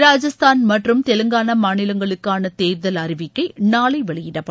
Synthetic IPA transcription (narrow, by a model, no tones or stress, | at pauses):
ɾaːd͡ʒɐst̪aːnmɐʈrɯmt̪ɛlɯŋɡaːnɐmaːnɪlɐŋɡɐɭɯkːaːnɐt̪eːɾðɐlɐɾɪʋɪkːɐɪnaːɭɐɪʋɐɭɪjɪɽɐpːɐ